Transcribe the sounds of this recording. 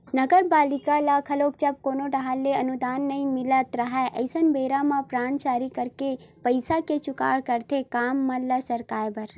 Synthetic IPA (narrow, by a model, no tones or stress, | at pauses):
nɐɡəɾbaːlɪkalakʰɐloːk̚d͡ʒɐb̚koːnoɖɐɦalːeɐnud̪aːnːɐĩmɪlət̪ɾɐɦɛʔɐ̰ɪsənbeːɾamãpɾaːnt͡ʃaːɾikɐɾke | pəɪsaket͡ʃʊka̰ːɽkɐɾt̪ʰekaːmːãləsɐɾkaːjbɐɾ